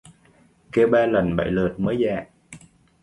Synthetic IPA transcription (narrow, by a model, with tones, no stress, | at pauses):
ke˧wɓaː˧lə˨˩nɓə̰˧˨jlɨː˨˩t̚məː˨˦jza̰ː˧˨ʔ